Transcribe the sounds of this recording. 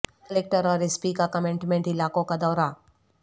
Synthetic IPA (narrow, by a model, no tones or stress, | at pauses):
kɐleːk̚ʈəɾɔːɾɪspikakɐmẽɳʈmẽɳʈɪlaːkõkad̪ɔːɾa